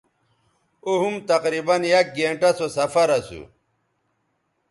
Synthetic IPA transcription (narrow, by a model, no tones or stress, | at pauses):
oɦumt̪ɐqɾibɐnjɐk̚ɡeːɳʈɐsosɐfɐɾɐsṵ